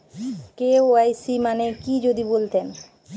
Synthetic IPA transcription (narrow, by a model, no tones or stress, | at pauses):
keoajsimanekid͡ʑod̪ibolt̪en